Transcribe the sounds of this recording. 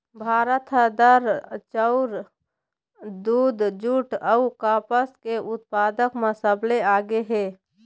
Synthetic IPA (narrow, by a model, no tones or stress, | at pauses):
bʱaːɾət̪ʰəd̪əɾt͡ʃəʊɾ | d̪uːd̪d͡ʒuːʈəukaːpəskeʊt̪̚paːd̪əkməsəbleaːɡeɦɛː